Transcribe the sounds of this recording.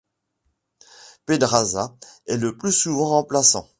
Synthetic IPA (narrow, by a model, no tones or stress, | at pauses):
ped̪ʁazaɛləplysuvɑ̃ʁɑ̃plasɑ̰̃